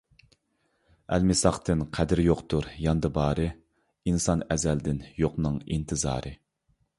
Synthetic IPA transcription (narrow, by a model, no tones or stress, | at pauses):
æ̰lmɪsɑχt̪ɨnqʰæd̪ɪɾjoqt̪uɾjɑnd̪ɨbɑːɾɨ | insɑnɛzɛld̪ɪnjoqnɨŋḭnt̪ʰɨzɑ̰ːɾɨ